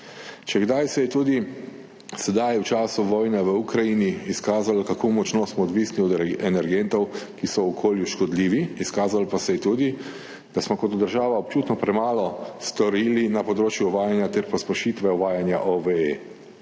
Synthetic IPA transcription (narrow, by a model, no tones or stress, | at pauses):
t͡ʃɛɡd̪ajsɛjɛt̪uːd̪i | sɛd̪ajwt͡ʃaːsuʋɔːjnɛʋəukɾajiniːskaːzalkakʰoːmɔt͡ʃnɔsmɔːd̪ʋiːsniɔd̪ɛnɛɾɡɛnt̪ɔwkisɔwɔkʰoːljuʃkɔd̪liːʋiːskaːzalpasɛjɛt̪uːd̪i | d̪̥asmɔkɔt̪d̪əɾʒaːʋaɔp̚t͡ʃuːt̪nɔpɾɛmaːlɔst̪ɔɾiːlinapɔd̪ɾoːt͡ʃjuːʋaːjanjat̪ɛɾpɔspɛʃiːt̪ʋɛɔʋaːjanja̰ʔɔʋee